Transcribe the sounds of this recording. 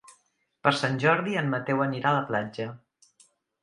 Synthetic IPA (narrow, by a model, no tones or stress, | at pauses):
pəɾsanʲʒɔɾðiənːət̪ɛwəniɾaləplad͡ʒə